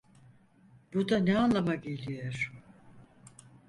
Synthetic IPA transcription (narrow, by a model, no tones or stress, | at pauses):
b̥ud̪anɛanlˠamaɟelʲijoɾ̥